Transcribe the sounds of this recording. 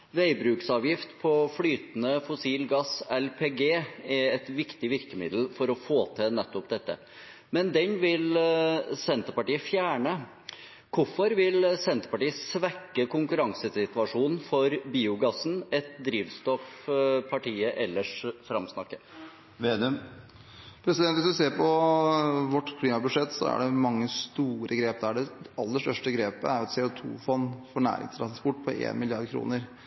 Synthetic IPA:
ʋæɪbɾʉːksɑːʋjɪft̪pʰɔflyːt̪nəfʊsiːlɡɑsɛlpʰeːɡeːɛɛt̪ʋɪkt̪ɪʋɪɾkəmɪ̰d̪l̩fɔɾɔfoːt̪ʰɪnɛt̪ːɔpd̪ɛt̪ːə̰ | mɛnd̪ɛnʋɪl | sɛnt̪əɾpɑʈiːəfjæːɳə | kʰʊfɔɾʋɪlsɛnt̪əɾpɑʈiːəsʋækːəkʊŋkʉɾɑŋsəsɪt̪ʉʋɑʂuːnn̩fɔɾbiːʊɡɑsn̩ɛt̪̚d̪ɾiːʋst̪ɔfpʰɑʈiːəʔɛlːəʂfɾɑmsnɑkːə̥ | ʋed̪ | pʰɾɛsɪd̪ɛnt̪ʋɪsd̪ʉseːɾpʰɔ | ʋɔʈːkʰliːmɑbʉʂɛt̪ːsɔ̰æ̰ɖɛmɑŋːəst̪uːɾʔəɡɾeːp̚d̪ɛæɖɛɑlːəʂʈœʂʈəɡɾeːpə̰æɾʊɑt̪sɛʊt̪ʰṵːfɔnːfɔɳæ̰ːɾɪ̰ŋst̪ʰɾɑnspɔʈːpʰɔʔḛːnmɪlɪɑɾd̪kʰɾṵːnəɾ

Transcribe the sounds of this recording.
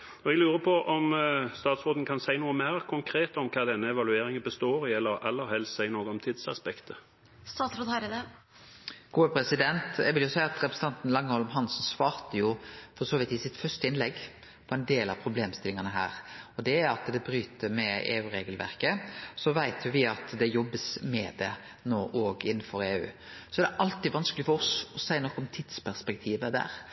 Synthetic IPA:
ɔɛɡlʉːɾəpʰɔʔɔmst̪ɑːt̪sɾoːd̪n̩kʰɑnsæɪnuːəmæɪɾkʰʊŋkʰɾeːt̪ɔmkʰɑːd̪ɛnːəɛʋɑlʉeːɾɪŋənbəst̪oːɾɪɛlːəɾɛlːəɾhɛlst̪sæɪnoːɡəɔmt̪ʰiːd̪sɑ̰spɛkt̪ʰə | st̪ɑːt̪ɾʊt̪ʰɑɪd̪əd̪ə | ɡ̥uːəpʰɾɛsɪd̪ɛnt̪ɛɡʋɪljʊsæɪɑt̪ɾɛpʰɾɛs̩t̪ɑnt̪n̩lɑŋːəhɔlmɦɑnsnsʋɑːɾt̪əjʊfɔɾsoːʋɪt̪ɪsɪt̪fœst̪əɪnlɛɡː | pʰɔɛnd̪eːlɑ̰ʋpʰɾʊbleːmst̪ɪlɪŋɑnəɦæ̰ːɾɔd̪ɛæɑt̪d̪ɛbɾyːt̪ʰəmɛḛːʉːɾeːɡəlʋæ̰ɾkəsɔʋæɪt̪ʰjʊʋɪɑt̪d̪ɛjɔbːəsmɛd̪ɛ | noːʔoːɡɪnːəfɔɾeːʉ̰ː | sɔæɾd̪ɛʔɑlt̪ɪʋɑnskəlɪfɔɾɔsɔsæɪənɔkːɔmt̪ʰɪd̪spʰæɾspɛk̚t̪ʰiːʋəd̪æ̰ːɾ

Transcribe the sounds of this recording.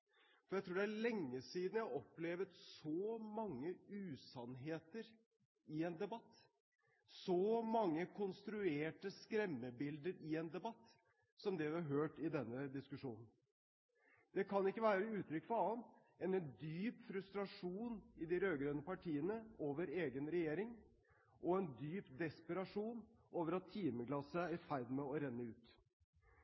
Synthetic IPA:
fɔɾjæɪt̪ʰuːɖɛæɭɛŋːəsiːd̪n̩jæhæɾɔpːleːʋət̪sɔmɑŋːəʉːsɑnɦeːt̪əɾ | ɪɛnd̪ɛbɑt̪ː | sɔmɑŋːəkʰɔnst̪ɾʉeːʈəskɾɛmːəbɪld̪əɾɪɛnd̪ɛbɑt̪ː | sɔmd̪ɛʋɪɑɾɦøːʈɪd̪ɛnːəd̪ɪskʉʂuːnən̩ | d̪̥ɛkʰɑnɪkːəʋæːɾəʉːt̪ʰɾʏkːfɔɑːən | ɛnɛnd̪yːpfɾʉst̪ɾɑʂuːnɪd̪ɪɾøːɡɾøːnəpɑʈʰiːənəoːʋəɾeːɡənɾɛjeːɾɪŋ | ʔɔɛnd̪yːpd̪ɛspəɾɑʂuːnoːʋəɾɑt̪ʰːiːməɡlɑsəæɾfæɪd̪mɛɔɾɛnːəʉːt̪

